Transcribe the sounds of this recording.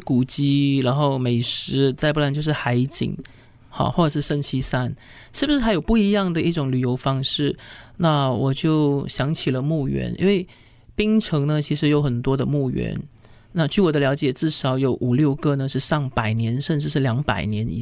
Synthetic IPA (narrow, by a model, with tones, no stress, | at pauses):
ku˨˩t͡ɕi˥ɻa˧˥nxo˥˩ʊme˨˩ɪʂɻ̩˧˥t͡sa˥˧ɪp̬u˥˩la˧˥t͡ɕo˥˧ʊʂɻ̩˥˩xa˧˥ɪt͡ɕḭ˨˩ŋ | xa̰˥˧xwɔ˥˩ʈ͡ʂɤ˨˩ʂɻ̩˥˧ʂə˥˧˩ŋt͡ɕʰi˥sa˥˩n | ʂɻ̩˥˩bu˩ʂɻ̩˥˩xa˧˥ɪjo˨˩ʊpu˥˩i˧˥jɑ˥˩ŋd̪ə˩i˥˩ʈ͡ʂʊ˨˩ŋly˨˩jo˧˥ʊfɑ˥ŋʂɻ̩˥˩na˥˩wɔ˨˩t͡ɕjo˥˩ʊɕjɑ˧˥ŋt͡ɕʰi˨˩lə˦mu˥˩ɥɛ̰˧˥nʔḭ˥nwe˥˩ɪ | pi˥ŋʈ͡ʂʰɤ˧˥ŋnə˧t͡ɕʰi˧˥ʂ̬ɻ̩˧˥jo˧˥ʊxə˨˩nt̪wɔ˥d̪ə˨mu˥˩ɥɛ̰˧˥n | na˥˧t͡ɕy˥˩wɔ˨˩d̪ə˦ljɑ˧˥ʊt͡ɕjɛ˨˩ʈ͡ʂɻ̩˥˩ʂɑ˧˥ʊjo˧˥ʊʔu˨˩ljo˥˩ʊkɤ˥˧nə˨ʂɻ̩˥˧ʂɑ˥˩ŋpa˨˩ɪnjɛ˧˥nʂə˥˧nʈ͡ʂɻ̩˥˧ʂɻ̩˥˩ljɑ˧˥ŋpa˨˩ɪnjɛ˧˥nḭ˨˩